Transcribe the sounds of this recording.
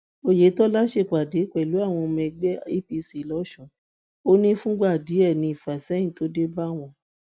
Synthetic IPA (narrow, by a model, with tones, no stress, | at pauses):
o˦je˨˦tɔ˦la˦ʃe˧˨k͡pa˨de˨˦k͡pɛ˨lu˨˦a˦˨w̃ɔ̃˧mɛ̃˧ɡ͡bɛ˦i˦pi˧si˨lɔ˨˦ʃɔ̃˨ | o˦nĩ˦fũ˦ɡ͡ba˦˨de˨˦ɛ˦˨nĩ˧i˨fa˨sɛ˨˦j̃ĩ˦˨to˨˦de˦ba˦w̃ɔ̃˧